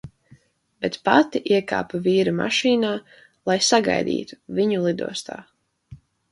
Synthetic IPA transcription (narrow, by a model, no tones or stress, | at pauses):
bɛt̪pat̪iʔiɛka̰ːpaviːɾama̰ʃiːnaː | lˠajsaɡa̰jd̪ḭːt̪u̥viɲulˠid̪ṵɔst̪a̰ː